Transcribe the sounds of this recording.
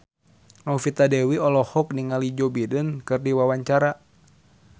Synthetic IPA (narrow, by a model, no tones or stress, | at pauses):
ŋaufit̪adɛwiɔlɔhɔk̚niŋalid͡ʒɔbidənkɨrdiwawaɲt͡ʃaɾa